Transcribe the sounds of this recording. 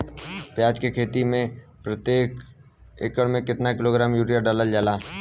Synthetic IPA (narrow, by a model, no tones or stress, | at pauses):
pjaːd͡ʒkekʰeːt̪imẽpɾət̪jeːk | eːkəɽmẽkɪt̪nakɪloɡɾaːmjuːɾijəɖaːləld͡ʒaːlaː